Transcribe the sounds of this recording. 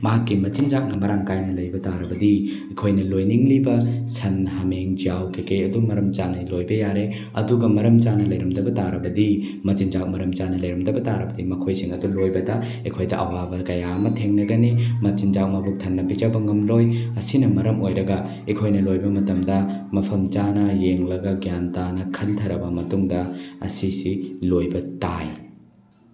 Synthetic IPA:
mɐɦɐkːimɐt͡ʃind͡ʒak̚nɐmɐɾaŋkajnɐlɐjbɐtaɾɐbɐdi | ikʰojnɐlojniŋlibɐsʰɐnhɐmeŋd͡ʒijawkʰikejɐdumɐɾɐmt͡ʃanɐlojbɐjaɾe | ɐ̰duɡɐmɐɾɐmt͡ʃanɐlɐjɾɐmdɐbɐtaɾɐbɐdi | mɐt͡ʃind͡ʒak̚mɐɾɐmt͡ʃanɐlɐjɾɐmdɐbɐtaɾɐbɐdimɐkʰojsiŋɐdulojbɐdɐ | ikʰojdɐʔɐ̰wabɐkɐjaɐmɐtʰeŋnɐɡɐnimɐt͡ʃind͡ʒawmɐbuk̚tʰɐnːɐpit͡ʃɐbɐŋɐmlojɐsinɐmɐɾɐmojɾɐɡɐ | ikʰojnɐlojbɐmɐtɐmdɐmɐpʰɐmt͡ʃanɐjeŋlɐɡɐɡijantanɐkʰɐntʰɐɾɐbɐmɐtuŋdɐɐ̰sisilojbɐtaj

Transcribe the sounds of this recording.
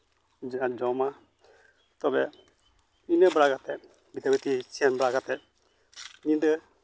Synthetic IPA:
d͡ʒad͡ʒɔma | t̪ɔbɛ | inəbɾaɡat̪ɛ | bit̪ʰabit̪isianbɾaɡat̪ɛ | nid̪ə

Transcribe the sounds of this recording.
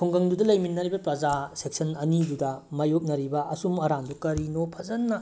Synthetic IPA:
kʰuŋɡɐŋdudɐlɐjminːɐɾibɐpɾɐzasek̚sʰɐnɐnidudɐmajok̚nɐɾibɐʔɐsumɐɾandukɐɾinopʰɐzɐnːɐ

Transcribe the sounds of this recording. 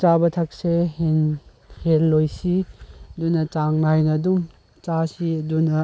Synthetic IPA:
t͡ʃabɐtʰak̚sehen | henlojsiɐdunɐt͡ʃaŋnajnɐdum | t͡ʃasiɐdunɐ

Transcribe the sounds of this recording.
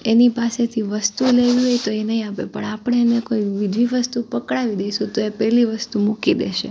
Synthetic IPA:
enipaset̪ʰiʋəst̪uleʋiɦojt̪oenəɦĩapḛpə̰ɳapɳ̃eenekoiʋid̪ʱʋiʋəst̪upəkɽaʋid̪ejʃũt̪oepɛɦliʋəst̪umukid̪ḛʃḛ

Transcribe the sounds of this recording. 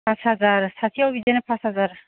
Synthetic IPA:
pʰasazaɾsat̪ʰiɔbid̪enepʰasazaɾ

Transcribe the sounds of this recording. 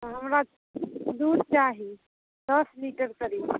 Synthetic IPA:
ɦəmɾa | d̪uːɾt͡ʃaːɦi | d̪̥əsliʈəɾkəɾiː

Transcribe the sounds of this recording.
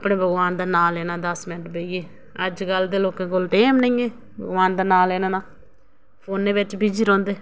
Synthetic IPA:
pɽẽːbʱəɡʋaːnd̪aːnaːleːnãːd̪əsmɪnəʈbeːieː | əd͡ʒɡəld̪eːloːkãːkolʈeːmnəĩeː | bə̰ɡʋaːnd̪aːnaːleːnãːnãː | pʰoːnːeːʋɪt͡ʃbid͡ʒiːɾɔ̃ːnd̪eː

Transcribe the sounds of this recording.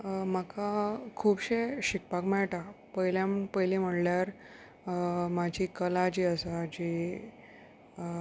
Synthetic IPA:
məkakʰuːbɕeɕik̚pakmɛɭʈapəjljãmpəjlim̤əɽljaɾ | mad͡ʑʱikəlad͡ʑiːəsad͡ʑi

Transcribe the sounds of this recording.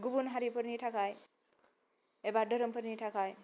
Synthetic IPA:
ɡubunɦaɾipʌɾniʈʰakaj | ebadʌɾʌmpʌɾnitʰakaj

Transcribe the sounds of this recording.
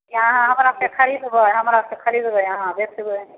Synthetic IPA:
ɦãɦãɦəmɾasekʰəɾid̪bəɦəmɾasekʰəɾid̪bəɦãbet̪ibə

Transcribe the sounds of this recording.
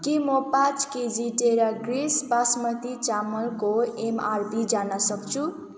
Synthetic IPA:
kimʌpat͡sked͡ziʈeɾaɡrispasmʌt̪it͡samʌlkoemarbid͡zanʌsʌkt͡sʰu

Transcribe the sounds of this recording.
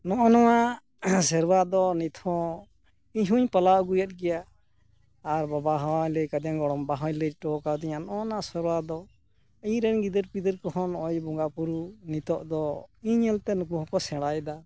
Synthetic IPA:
nɔʔɔnɔwa | sɛɾbad̪ɔnit̪ʰɔ̃ | iɲɦuɲpalaɡujat̪̚ˀɡɛjaː | ɾbabaɦɔjləkad̪aŋɡɔɽ̃ɔmbaɦɔjləʈɔkad̪iɲanɔɔnasɛɾbad̪ɔ | iɲɾɛnɡid̪əɾpid̪əɾkɔhɔnɔjbɔŋɡapuɾunit̪ɔʔd̪ɔiɲɛlt̪ɛnukuɦɔ̃kɔsɛ̃ɽajd̪a

